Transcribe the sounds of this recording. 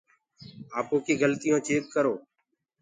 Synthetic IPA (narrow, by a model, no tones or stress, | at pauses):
aːpoːkiːɡəlt̪ɪjõːt͡ʃʰeːkkəɾoː